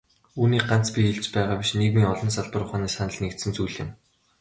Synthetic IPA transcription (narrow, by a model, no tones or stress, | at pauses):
uːniːɢan̥t͡spʲixeɮt͡ɕpæːʁaːpʲiʃneɣmiːŋɔɮɞ̆nsaɮpə̆rʊχaːniːsanə̆ɮnekt̪sɘ̆nt͡sujɮɪ̆m